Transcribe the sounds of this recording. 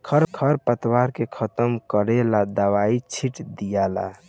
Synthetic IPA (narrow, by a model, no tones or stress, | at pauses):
kʰəɾkʰəɾpət̪waɾkekʰət̪əmkəɾelad̪əwait͡ʃʰiʈd̪ijala̰